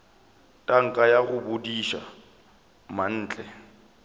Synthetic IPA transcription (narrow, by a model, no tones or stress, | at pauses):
tʼaŋ̩kʼajaɣʊbʊdiʃa̰ | man̩ːt͡ɬʼɛ